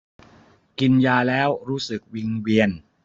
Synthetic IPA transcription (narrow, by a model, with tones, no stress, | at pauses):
ki˧njaː˧lɛː˦˥wɾuː˦˥sɯ˨˩k̚wi˧ŋwi˧ən